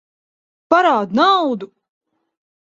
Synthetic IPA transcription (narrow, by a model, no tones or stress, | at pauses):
paɾaːd̪nawd̪u